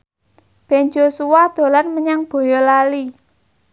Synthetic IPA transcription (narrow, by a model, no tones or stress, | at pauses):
b̥ɛ̤nd͡ʒosuwad̪̥o̤larməɲaŋb̥o̤jɔlali